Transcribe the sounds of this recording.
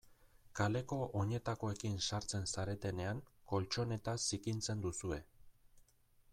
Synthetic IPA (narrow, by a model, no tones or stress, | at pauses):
kale̞ko̞ʔoɲe̞t̪ako̞e̞kinsaɾt͡se̞nsaɾe̞t̪e̞ne̞aŋko̞lt͡ʃo̞ne̞t̪asikint͡se̞nd̪usue̞